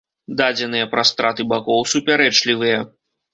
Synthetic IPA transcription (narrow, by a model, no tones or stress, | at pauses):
d̪ad͡zʲɛn̪ɨjɐpɾast̪ɾat̪ɨbakɔwsupʲaɾɛt͡ʂlʲivɨjɐ